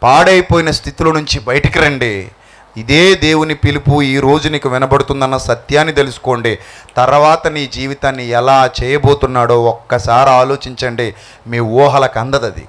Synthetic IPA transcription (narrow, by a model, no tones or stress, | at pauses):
paːɽɐjipoːjinɐst̪ʰit̪ilɐnuɲt͡ʃibɐjɐʈikiɾɐɳɖeː | id̪e̞ːd̪e̞ːwunipilipuiːɾo̞ːd͡ʒuniːkuʋinɐbɐɽut̪und̪ɐnːɐsɐt̪jaːnːit̪e̞lusu̥ko̞ːɳɖeːt̪ɐɾɐʋaːt̪ɐniːd͡ʒiːʋit̪aːnːiɛlaːt͡ʃɛːjɐbo̞ːt̪unːaːɽo̞ːɔkːɐsaːɾiaːlo̞ːt͡ʃiɲt͡ʃɐɳɖeː | miːʋɔːɦɐlɐkɐnd̪ɐd̪ɐd̪ḭ